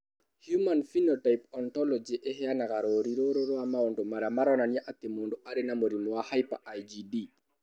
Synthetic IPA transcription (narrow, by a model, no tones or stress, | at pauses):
hjumanfinɔtajpɔntɔlɔd͡ʒiʔɛɦɛanakaɾoɾiɾoɾoɾɔwamawɔndɔmaɾamaɾɔnanjaʔat̪ɛmondɔʔaɾɛnamoɾimɔwahajpa̰ʔajd͡ʒidi